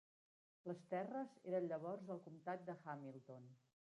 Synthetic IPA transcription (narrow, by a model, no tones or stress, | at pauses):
ləst̪ɛrəzeɾənʎəβ̞ɔrzəlˠkumt̪at̪̚d̪əxamilˠt̪on